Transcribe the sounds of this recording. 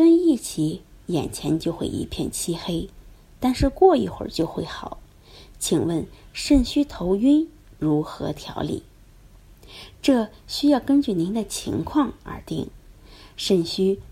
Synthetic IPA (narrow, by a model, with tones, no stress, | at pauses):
kə˥ni˥˩t͡ɕʰi˧˥jɛ̰˨˩nt͡ɕʰjɛ˧˥nt͡ɕjo˥˧ʊxwḛ˥˩ɪʔḭ˧˥pʰjɛ̰˥˩nt͡ɕʰi˥xe˥ɪ | t̪a˥˧nʂɻ̩˥˧kwɔ˥˩i˥˩xwə̰˞˨˩t͡ɕjo˥˧ʊxwe˥˩ɪxɑ˨˩˦ʊ | t͡ɕʰi˨˩ŋwə˥˩nʂə˥˩ŋɕy˥t̪ʰo˧˥ʊy˥n | ɻu˧˥xɤ̰˧˥t̪ʰjɑ̰˧˥ʊlḭ˥˩˦ | ʈ͡ʂɤ˥˩ɕy˥jɑ˥˩ʊkə˥nt͡ɕy˥˩ni˧˥nd̪ə˨t͡ɕʰḭ˧˥ŋkʰwɑ˥˩ŋə̰˞˧˥t̪ḭ˥˩ŋʂə˥˩ŋɕy˥